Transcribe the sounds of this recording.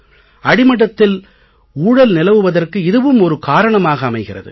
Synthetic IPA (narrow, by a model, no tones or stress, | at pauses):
ɐɽɪmɐɽɐt̪ːɪl | uːɽɐlnɪlɐʋɯʋɐðɐrkɯɪðɯʋɯmɔɾɯkaːɾɐɳɐmaːɣɐːmɐɪɣɪrɐ̰ðɯ̰